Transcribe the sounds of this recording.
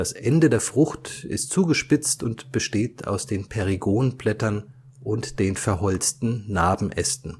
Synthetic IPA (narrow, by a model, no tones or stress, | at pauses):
d̥asʔɛndədeːɐfʁ̥ʊxtɪ̰stt͡suːɡəʃpɪt͡stʊntb̥əʃteːtʰa̰ʊsd̥eːnpʰɛʁiɡoːnnplɛtɐn | ʔʊntd̥eːnfɛɐɦɔlt͡stn̩ːaːbm̩ʔɛstn̩